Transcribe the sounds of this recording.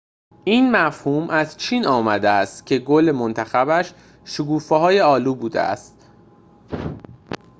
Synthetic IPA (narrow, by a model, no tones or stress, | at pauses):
ʔiːnmæfhuːmʔæzt͡ʃʰiːnɒːmæd̪eæst̪cʲʰe̞ɡolemont̪ʰæxæbæʃ | ʃokuːfeɦɒːje̞ɒːluːbuːd̪ḛʔæ̰st̪̚